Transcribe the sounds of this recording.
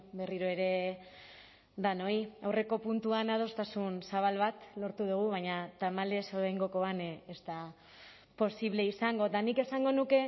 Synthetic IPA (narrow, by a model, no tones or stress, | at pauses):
be̞riɾoe̞ɾe̞ | ðano̞iawre̞ko̞punt̪uanaðo̞st̪asunsaβ̞alβat̪lo̞ɾt̪uð̞uɣ̞uβaɲat̪amale̞soɾajŋɡo̞ko̞anest̪a | po̞siβle̞isaŋɡo̞t̪anike̞saŋɡo̞nuke̞